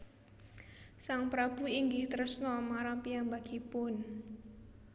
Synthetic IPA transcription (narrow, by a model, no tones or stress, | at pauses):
saŋpɾab̥ṳiŋɡɪht̪ərsnɔmaɾapiambaɡ̥ipʊn